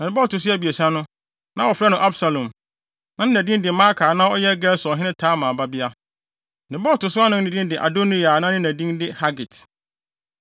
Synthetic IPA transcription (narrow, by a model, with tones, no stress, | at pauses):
nã˨nɪ̃˨˦bɔː˦˨tʊ˨s̬i˦æ˨bi˨e˨sã˦nʊ̃˦ | nã˦wɔ˨fɾa˦nʊ̃˨ʔa˦bsa˨lɔ̃˨m | nã˨˦nɪ̃˦næ̃˨dĩ˦ndɪ˨˦ma˦kʰaː˨nã˦ɔ˦jɛ˦ɡɛ˦lsɔ˨ɦɪ̃˦nɪ̃˦tʰaː˦mã˨ba˦bi˦a˦ | nɪ̃˨bɔː˦˨tʊ˨sʊ˦a˦nʊ̃˦ɪ̃˨dĩ˦n˦dɪ˨ʔa̰˨do˦ni˦a˨nã˦nɪ̃˦næ̃˨dĩ˦ndɪ˦ha˦ɡɪ˨t